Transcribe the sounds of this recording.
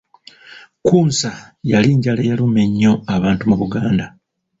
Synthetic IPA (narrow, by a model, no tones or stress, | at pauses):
kuːnsajaliːɲɟalajalume̞ɲːo̞aβaːntumuβuɡaːnda